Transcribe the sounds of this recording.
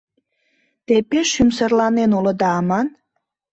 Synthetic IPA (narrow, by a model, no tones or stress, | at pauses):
t̪epeʃymsərlɑnenolə̆d̪ɑːmɑn